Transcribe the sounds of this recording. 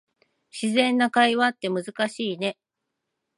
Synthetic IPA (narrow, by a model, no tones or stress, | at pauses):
ɕizẽ̞nːakaiβat̪ːe̞mɯ̟zɨkaɕiːne̞